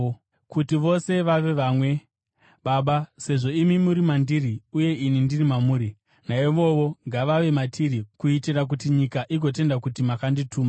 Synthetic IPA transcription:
kutiʋo̞se̞ʋaʋe̞ʋamwe̞ | ɓaɓase̞ʐo̞imimuɾimandiriuje̞inindirimamuːɾi | naiʋo̞ʋo̞ŋɡaʋaʋe̞matʰiɾikuitirak̬utiɲikaʔiɡo̞t̬e̞ndakutimakanditʰuːma

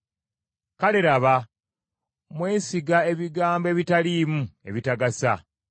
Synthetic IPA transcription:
kaleɾaβa | mwe̞ːsiɡae̞βiɡaːmbe̞ːβitaliːmue̞̰βitaɡasa̰

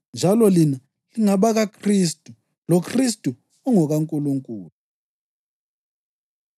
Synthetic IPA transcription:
nd͡ʒʱalɔlina | liŋaβaɣakʰristʼu | lɔkʰris̬tʼu | uŋɔɣaŋkʼuluŋkʼuːlu

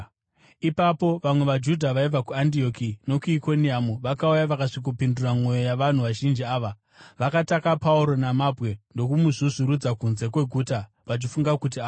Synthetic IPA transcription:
ipapo̞ʋamwe̞ʋad͡ʒudʱaʋaib͡vakuandio̞kino̞kuiko̞niamuʋakaujaʋakaʂik̬upinduramo̞jo̞jaʋan̤uʋaʒind͡ʒiaːʋa | ʋakatakapauɾo̞namabʱwe̞ndo̞kumuʐiʐiɾud͡zakunze̞kwe̞ɡʱuːta | ʋat͡ʃifuŋɡakut̬ia

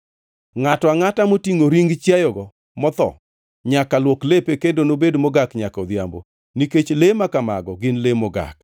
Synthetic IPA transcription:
ŋatɔaŋatamotiŋoɾiŋɡt͡ʃjajɔɡɔ | mɔt̪ɔ̰ | ɲakalwɔklepekendonobedmɔɡakɲakɔd̪jambo̰ | niket͡ʃlemakama̰ɡɔɡɪnlemɔɡa̰k̚

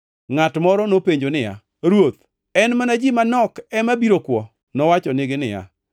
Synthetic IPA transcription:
ŋatmɔɾɔnopeɲd͡ʒonɪja̰ | ɾwot̪ | ɛnmanad͡ʒimanɔkɛmabiɾokwɔ | nɔwat͡ʃɔnɪɡɪnɪja̰

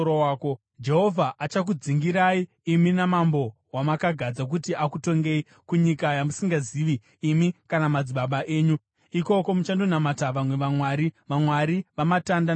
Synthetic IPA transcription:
oaːko | d͡ʒe̞ɦo̞vʱaʔat͡ʃak̬ud͡ziŋɡiɾaiː | minamambo̞ | wamakaɡʱad͡zak̬utiʔakuto̞ŋɡe̞i | kuɲikajamusiŋɡaziʋiː | mikanamad͡ziɓaɓaʔe̞ːɲu | iko̞ko̞mut͡ʃandonamataʋamwe̞ʋamwaɾiʋamwaɾiʋamatanda

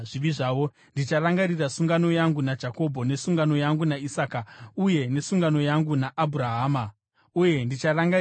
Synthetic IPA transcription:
ʐiʋiʐaːʋo̞ | ndit͡ʃaraŋɡarirasuŋɡano̞jaŋɡunad͡ʒako̞bʱo̞ne̞suŋɡano̞jaŋɡunaisaːkauje̞ne̞suŋɡano̞jaŋɡunaʔabʱuɾaɦaːma | uje̞ndit͡ʃaraŋɡa

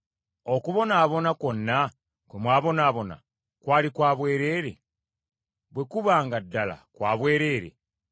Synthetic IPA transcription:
o̞kuβo̞naːβo̞nako̞nːa | kwemwaːβo̞naːβo̞na̰ | kwaːlikwaːβwe̞ːɾe̞ːɾe̞̰ | βwe̞kuβaːŋɡadːala̰kwaːβwe̞ːɾe̞ːɾe̞̰

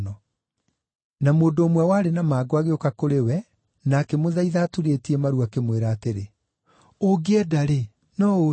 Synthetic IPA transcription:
nɔ | namoːndoːmwɛwaːɾenamaːɡwaɣeokakoɾewɛ | nakɛmoðaiðaːtuɾetiɛmaɾuakemweɾaːteɾe | oɡeɛdaɾe | nɔo

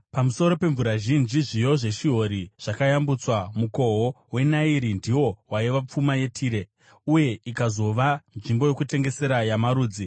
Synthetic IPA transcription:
pamuso̞ɾo̞pe̞ɱvuɾaʒind͡ʒiʐijo̞ʐe̞ʃiɦo̞ɾiʐ̥akajambut͡swamuko̞ɦo | we̞naiɾindiwo̞waiʋap͡fumaje̞tʰiːɾe̞ | uje̞ikazo̞ʋanʐimbo̞jo̞kute̞ŋɡe̞se̞ɾajamaɾuːd͡zi

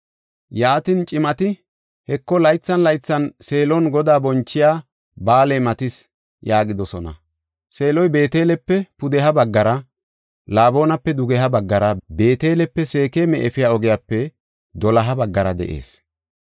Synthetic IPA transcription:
jaːt̪int͡ʃʼɪmɐt̪ɪ | hɛkːɔlɐjt͡sːɐnlɐjt͡sːɐnse̞ːlɔnɡɔd̪aːbɔnt͡ʃːɪjaː | baːlemɐt̪ɪs | jaːɡɪd̪ɔsɔnɐ̰ | se̞ːlɔjbe̞ːt̪eːlɛpːɛpʊd̪ɛɦɐbɐɡːɐɾɐ | laːbo̞ːnɐpːɛd̪ʊɡɛɦɐbɐɡːɐɾɐbe̞ːt̪e̞ːlɛpːɛse̞ːkeːmɛʔɛfɪjaːɔɡɪjaːpːɛ | d̪ɔlɐɦɐbɐɡːɐɾɐd̪ɛ̰ʔḛːs

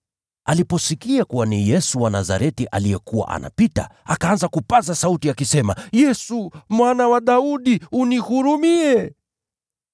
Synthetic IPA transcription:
alipɔsikiakuwanijɛsuwanaza̰ɾɛtiʔa̰lijɛkuwa̰ʔa̰nʔa̰pita̰akaanzakupazasautiakisɛmajɛsumwanawaɗauɗiunihuɾumiɛ

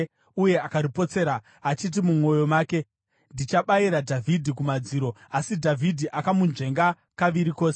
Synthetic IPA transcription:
uje̞akaɾipo̞t͡se̞ːɾa | at͡ʃit̬imumo̞jo̞maːke̞ | ndit͡ʃaɓaiɾadʱavʱidʱikumad͡ziːɾo̞asidʱavʱidʱiʔakamunʐe̞ŋɡa | kaʋiɾikoːse

